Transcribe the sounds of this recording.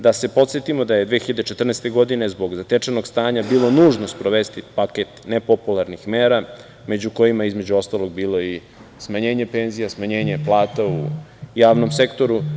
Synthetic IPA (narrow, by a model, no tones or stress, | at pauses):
d̪ase̞po̞t̪sjet̪imo̞d̪ajed̪ʋexiʎad̪et͡ʃet̪r̩nest̪eɡo̞d̪ine̞zbo̞ɡzat̪et͡ʂenoɡst̪aːɲabiːlˠo̞nuːʒno̞spɾo̞ʋest̪ipaket̪nepo̞pulˠaɾnixmeːɾa | me̞d͡ʑuko̞jimajeizme̞d͡ʑuo̞st̪alo̞ɡ̚biːlˠo̞i | smaɲeːɲe̞pe̞ːnzijasmaɲe̞ːɲeplˠaːt̪aṵjaːʋno̞mse̞kt̪o̞ɾu